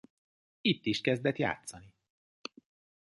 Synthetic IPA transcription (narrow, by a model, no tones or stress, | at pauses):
it̪ːiʃkɛzd̪ɛt̪ja̰ːt̪sɒni